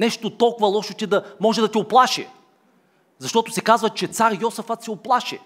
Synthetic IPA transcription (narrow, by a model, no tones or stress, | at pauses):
nɛʃt̪ot̪ɔlˠkʊvɐlˠɔʃot̪ɛd̪ɐmɔʒɛd̪ɐt̪ɛʊplˠaʃɛ̰ | zɐʃt̪ɔt̪ʊsɛkazvɐt͡ʃɛt̪saɾjɔsɐfɐt̪sɛoplˠaʃɛ